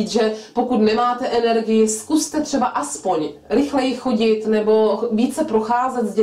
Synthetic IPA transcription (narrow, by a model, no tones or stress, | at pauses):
t͡sʒɛpokut̪nɛmaːt̪ɛʔɛnɛɾɡɪjɪskust̪ɛt̪r̥ɛbaʔaspo̞ɲɾɪxlɛjɪxo̞ɟɪt̪nɛbo̞viːt͡sɛpɾoxaːzɛt̪zɟɛ